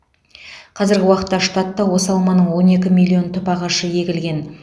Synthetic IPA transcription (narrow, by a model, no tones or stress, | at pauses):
qʰɑzɪɾɡʲɪwɑqə̥t̪ːɑʃt̪ɑt̪ːɑwo̞sɑlˠmɑnəɴwo̞ne̞kʲɪmilʲˠːio̞nt̪ʰʏpɑʁɑʃəje̞ɡʲɪlɡʲe̞n